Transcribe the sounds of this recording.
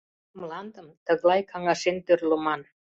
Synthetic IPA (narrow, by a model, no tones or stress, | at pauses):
mlˠɑnd̪əmt̪ɤ̆ɣlˠɑjkʰɑŋɑʃent̪øɾlŏmɑn